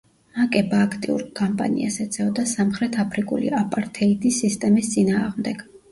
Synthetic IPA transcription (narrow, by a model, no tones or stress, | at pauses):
makʼɛbaːkʰt̪ʼḭṵɾkʼampʼa̰nḭa̰sɛt̪sʼʰɛɔd̪asamχɾɛt̪ʰapʰɾikʼṵlḭapʼaɾt̪ʰɛid̪ʰʼisist̪ʼɛmist̪sʼinaːʁmd̪ɛɡ̥